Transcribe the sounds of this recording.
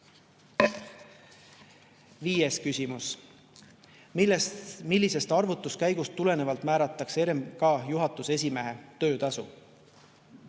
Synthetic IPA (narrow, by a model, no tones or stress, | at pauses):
viːjeskysʲimus | milːise̞st̪ɑrvut̪ːˑuskæjɡ̥ust̪ːule̞ne̞vɑlt̪ˑmæːɾɑt̪ːˑɑkse̞ɾemkɑːjuɦɑt̪ːˑuse̞s̬ʲime̞ɦe̞t̪øːt̪ɑsu